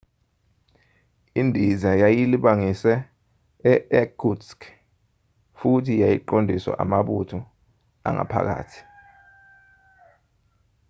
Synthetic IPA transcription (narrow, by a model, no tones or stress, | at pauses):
indʱizajajiliɓaŋisɛ | ɛɛɡusk | futʰijajiǃondʱiswa̰ʔa̰maɓutʰu | a̰ŋa̰pʰa̰k̬a̰ːtʰi̥